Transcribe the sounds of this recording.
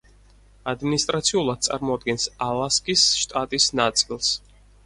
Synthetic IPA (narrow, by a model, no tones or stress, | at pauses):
ad̪minist̪ʼɾat̪sʰiulˠad̪̚t̪sʼaɾmɔad̪̚ɡɛnsalˠaskʼisʃt̪ʼat̪ʼisnat̪sʼilˠs